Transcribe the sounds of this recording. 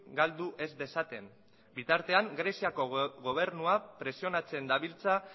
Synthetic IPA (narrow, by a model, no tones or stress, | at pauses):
ɡald̪uʔe̞zd̪e̞sat̪e̞n | bit̪aɾt̪e̞aŋɡɾe̞siako̞ɣo̞β̞e̞ɾnuapɾe̞sio̞nat͡se̞nd̪aβilt͡sa